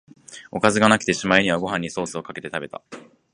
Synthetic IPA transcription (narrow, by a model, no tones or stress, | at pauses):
o̞kazɨɡanaki̥t̪e̞ɕimaiɲ̟iβaɡo̞ɦãɲ̟ːiso̞ːsɨo̞kake̞t̪e̞t̪abe̞t̪a̰